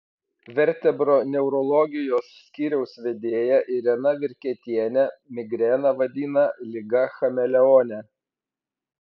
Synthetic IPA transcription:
ʋʲɛɾʲt̪ʲɛbɾonʲɛʊɾɔlˠɔɡʲɪjoːsːʲkʲiːɾʲɛʊsʋʲɛd̪ʲeːjɛʔɪɾʲɛnɐʋʲɪɾʲkʲɛt̪ʲiɛnʲɛmʲɪɡɾʲɛːnɐʋɐd̪ʲiːnɐlʲɪɡɐxɐmʲɛlʲɛɔːnʲɛ

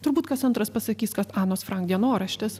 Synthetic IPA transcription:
t̪ʊɾbuːt̪kɐsɐnt̪ɾɐspɐsɐkʲiːskɐt̪ɑːnoːsfɾɑŋk̚d̪ʲiɛnoːɾɐʃʲt̪ʲɪss

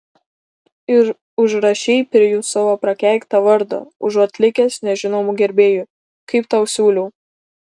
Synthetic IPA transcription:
ɪɾ | ʊʒɾɐʃʲɛɪpʲɾʲɪjuːsɑʋoːpɾɐkʲæˑɪkt̪ɐʋɐɾd̪o̰ːʊʒɐt̪ʲlʲɪkʲesnʲɛʒʲɪnoːmʊɡʲɛɾʲbʲeːjʊ | kɐɪpt̪ɑʊsʲuːlʲɛʊ

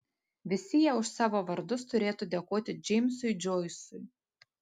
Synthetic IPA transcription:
ʋʲɪsʲɪjɛʊʃsɑːʋoːʋɐɾd̪ʊst̪ʊɾʲeːt̪ud̪ʲɛkoːt̪ʲɪd͡ʒʲɛmʲsʊjd͡ʒojsʊj

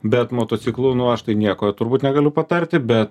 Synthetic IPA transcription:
bʲɛt̪moːt̪oːsʲiklˠunʊɐʃt̪ɐɪnʲiɛkoːt̪ʊɾbuːt̪nʲɛɡɐlʲʊpɐt̪ɐɾʲt̪ʲɪbʲɛt̪

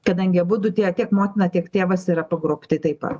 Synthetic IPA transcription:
kɐd̪ɐŋʲɡʲɪɐbʊd̪ʊt̪ʲeːtʲiɛkmoːt̪ʲɪnɐtʲiɛkt̪ʲeːʋɐsiɾɐpɐɡɾoːpʲt̪ɪt̪ɐɪpɐ̰

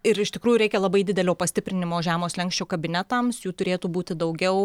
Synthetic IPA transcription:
ɪɾɪʃt̪ʲɪkɾuːjuɾʲɛɪkʲɛlˠɐbɐɪd̪ʲɪd̪ʲɛlʲoːpɐsʲt̪ʲɪpʲɾʲɪnʲɪmoːʒʲæːmoːslʲɛŋksʲt͡ʃʲoːkɐbʲɪnʲɛt̪ɐmsjuːt̪ʊɾʲeːt̪uːbuːt̪ʲɪd̪ɐʊɡʲɛʊ

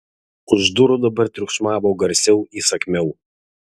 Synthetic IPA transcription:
ʊʒd̪ʊɾʊd̪ɐbɐɾt̪ʲɾʲʊkʃmɑːʋoːɡɐɾʲsʲɛʊiːsɐkʲmʲɛʊ

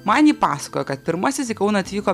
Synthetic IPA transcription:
mɐnʲiːpɑːsɐ̥ko̰ːjokɐt̪̚pʲɪɾmɐsʲɪsikɐʊnɐɐt̪ʲʋʲiːkoː

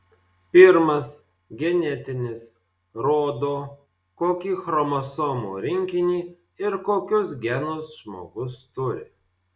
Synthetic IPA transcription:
pʲɪɾmɐs | ɡʲɛnʲɛt̪ʲɪnʲɪs | ɾoːd̪oː | koːkʲiːxɾɔmɔsɔːmṵːɾʲɪŋʲkʲɪnʲiː | ɪɾkoːkʲʊs̬ɡʲɛnʊsʒmo̰ːɡʊst̪ʊɾʲɪ̰

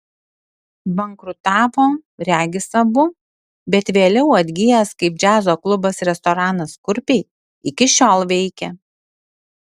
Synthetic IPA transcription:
bɐŋkɾʊt̪ɑːpoːɾʲæːɡʲɪsɐbʊ | bʲɛt̪ʋʲeːlʲɛʊɐd̪ʲɡʲɪjɛskɐɪp̚d͡ʒʲæːzoːklˠʊbɐsɾʲɛst̪ɔɾɑːnɐskʊɾʲpʲɛɪ | ɪkʲɪʃʲoːlˠʋʲɛɪkʲɛ

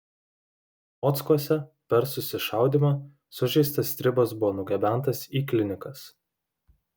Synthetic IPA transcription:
ɔt̪skuɔsʲɛpʲɛɾsʊsʲɪʃɑˑʊd̪ʲiːmɑ | sʊʒʲɛɪst̪ɐst̪ʲɾʲɪbɐs̬bʊʋɔːnʊɡʲɛbʲæˑnt̪ɐsiːklʲɪnʲɪkɐs

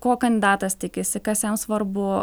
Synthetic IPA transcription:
koːkɐnʲd̪ʲɪd̪ɑːt̪ɐst̪ʲɪkʲɪsʲɪkɐsjɛmsʋɐrbʊ

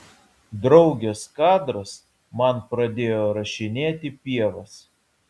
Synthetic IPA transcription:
d̪ɾɒʊɡʲɛskɑːd̪ɾɐs | mɐnpɾɐd̪ʲeːjoːɾɐʃʲɪnʲeːt̪ʲɪpʲiɛʋɐs

